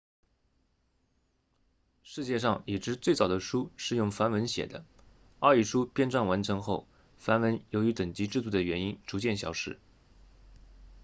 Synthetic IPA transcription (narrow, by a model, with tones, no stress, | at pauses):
ʂɻ̩˥˧t͡ɕjɛ˥˧ʂɑ˥˩ŋi˨˩ʈ͡ʂɻ̩˧˥t͡swe˥˩ɪt͡sɑ˨˩ʊd̪ə˦ʂu˥ʂɻ̩˥˧jʊ˥˩ŋfa˥nwə˧˥nɕjɛ̰˨˩d̪ə˦ | ɐ˞˥˧i˥˩ʂu˥pjɛ˥nʈ͡ʂwa˥˩nwa˧˥nʈ͡ʂʰɤ˧˥ŋxo˥˩ʊ | fa˧˥nwə˧˥njo˧˥ʊy˧˥t̪ə˨˩ŋt͡ɕi˧˥ʈ͡ʂɻ̩˥˧t̪u˥˩d̪ə˩ɥɛ˧˥ni˥nʈ͡ʂu˧˥t͡ɕjɛ˥˩nɕjɑ̰˧˥ʊʂɻ̩˥˩